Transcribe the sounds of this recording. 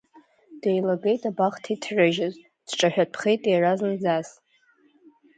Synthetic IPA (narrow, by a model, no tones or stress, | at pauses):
d̥ejlaɡe̞jtʼabaχtʰitʰrɨʒɪz | d̥ʈ͡ʂʼaħᶣapʰχejtʼejraznd͡zas